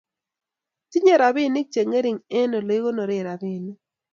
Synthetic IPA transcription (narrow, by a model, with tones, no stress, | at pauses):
ti˦ɲe˦ɾa˨βɪ˦˨nɪ˦k̚t͡ʃe˨ŋe˦ɾi˨ŋe˦no˨lo˨˦i˦ɣo˦no˨ɾɪ˦˨ɾa˨bɪ˦˨ni˦